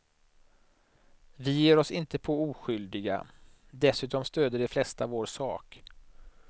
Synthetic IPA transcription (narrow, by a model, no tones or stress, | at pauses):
vɪjeːɾɔsɪnt̪əpʰɔuːɧʏld̪ɪɡa̰ | d̪ɛsʉ̟ːt̪ɔmst̪øːd̪əɖɛflɛst̪avoːɾʂɑːk